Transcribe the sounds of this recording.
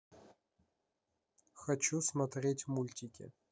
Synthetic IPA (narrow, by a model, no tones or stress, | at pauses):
xɐt͡ɕusmɐt̪rʲetʲmulʲtʲɪkʲɪ̰